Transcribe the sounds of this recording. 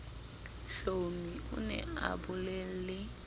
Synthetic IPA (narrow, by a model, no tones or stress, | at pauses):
ɬomiʊ̰nɛ̰a̰bʊlɛl̩lɪ